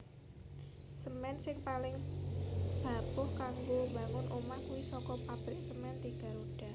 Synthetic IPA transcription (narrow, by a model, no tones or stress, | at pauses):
səmɛnsɪŋpalɪŋ | b̥a̤pʊhkaŋɡoba̤ŋʊnʔomahkuwisɔkɔpab̥ɾɪk̚səmɛnt̪iɡ̥a̤ɾoɖ̥a̤